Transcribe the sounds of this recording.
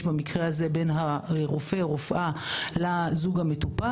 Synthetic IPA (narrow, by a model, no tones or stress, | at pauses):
ʃbamikʁeaze̞be̞nɦaʁofe̞ʁofʔalazuɡamet̪upa